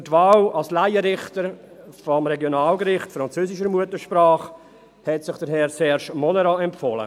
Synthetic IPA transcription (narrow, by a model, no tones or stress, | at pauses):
ətvaːlɑlslaɪəɾɪχtəɾ | fɔmɾɛɡjonaːlɡɾɪχtfɾɑnt͡søːsɪʃ̬əɾmuətəʃpɾaːχ | hɛtsɪχd̥əɾɦɛːɾsɛʃmɔnəɾɑɛmpfɔːlə̰